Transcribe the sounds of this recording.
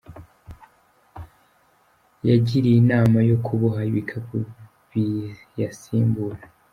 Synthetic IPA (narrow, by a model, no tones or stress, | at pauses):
jaɟiɾiinaːmajo̞kʰuβoɦaiβikʰaku | βi | jasiːmbuɾa